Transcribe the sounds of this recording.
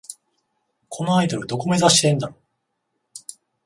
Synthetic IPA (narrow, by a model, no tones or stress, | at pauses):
kʰo̞noaid̪o̞ɾɯ̟d̪o̞ko̞me̞zaɕi̥t̪ẽ̞nd̪aɾo